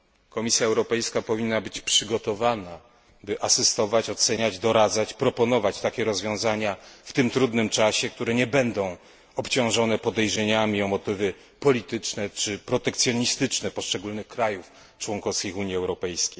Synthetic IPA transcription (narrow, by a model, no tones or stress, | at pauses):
kɔmʲisʲjaɛwɾɔpɛjskapɔvʲinːabɘt͡ɕpʂɘɡɔt̪ɔvana | bɘʔasɘst̪ɔvat͡ɕɔt̪sɛɲad͡ʑd̪ɔɾad̪zat͡ɕpɾɔpɔnɔvat͡ɕt̪akʲɛɾɔzvʲjɔ̃w̃zaɲaft̪ɘmt̪ɾud̪nɘmt͡ʂaɕɛk̚t̪uɾɛɲɛbɛnd̪ɔ̃w̃ | ɔpt͡ɕɔ̃w̃ʐɔnɛpɔd̪ɛjʐɛɲamʲiɔmɔt̪ɘvɘ | pɔlʲit̪ɘt͡ʂnɛt͡ʂɘpɾɔt̪ɛkt̪sʲjɔɲist̪ɘt͡ʂnɛpɔʂt͡ʂɛɡulnɘxkɾajuf | t͡ʂwɔŋkɔfskʲixuɲjiɛwɾɔpɛjskʲejj